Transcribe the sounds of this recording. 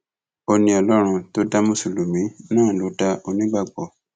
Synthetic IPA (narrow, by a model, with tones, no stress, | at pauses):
o˧nĩ˧ɔ˧lɔ˦ɾ̃ũ˧to˦da˦mũ˦su˨lu˨mĩ˨˦nãː˦˨lo˨˦ta˧o˧nĩ˦ɡ͡ba˦˨ɡ͡bɔ˨